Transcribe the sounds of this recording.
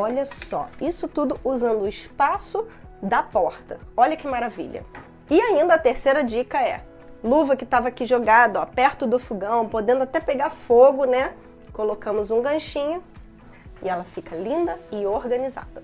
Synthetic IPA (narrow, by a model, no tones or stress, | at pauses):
ɔʎɐsɔ̰isʊt̪ud̪ʊuzɐ̃nd̪ʊɪʃpasʊd̪ɐpɔɾt̪ɐɔʎɐkɪmaɾavḭʎɐ̰ | ɪaĩnd̪ɐːt̪eɾsejɾɐd͡ʒikɐɛ | luvɐkɪt̪avɐakiʒoɡad̪ɐapɛɾt̪ʊd̪ʊfuɡɐ̃w̃pod̪ẽnd̪ʊat̪ɛpeɡaɾfoɡʊnɛ | kolokɐ̃mʊzũɡɐ̃ʃĩɲʊ | ɪɛlɐfikɐlĩnd̪ɐɪoɾɡɐ̃niza̰d̪ɐ